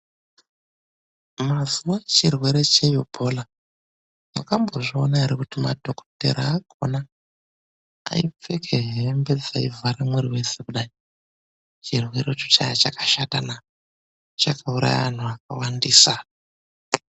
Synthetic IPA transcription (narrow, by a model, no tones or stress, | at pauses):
mazuwat͡ʃirwe̞ɾe̞t͡ʃe̞jobʱo̞la | makambo̞ʐionaɦeɾekutimadʱo̞ko̥tḛɾaːkʰo̞̰na | ip͡fe̞kʰeɦembe̞d͡zaivʱaɾamwuɾiwe̞sekuɗai | t͡ʃirwe̞ɾet͡ʃo̥t͡ʃajat͡ʃakḁʃatana | t͡ʃakʰauɾa̰ja̰ʋan̤uak̚awandiːsa